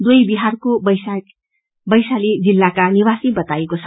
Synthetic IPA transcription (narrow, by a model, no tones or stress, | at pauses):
d̪ujbiɦarkobʌjsak | bʌjsaled͡zilːakaniwasibʌt̪aekot͡sʰʌ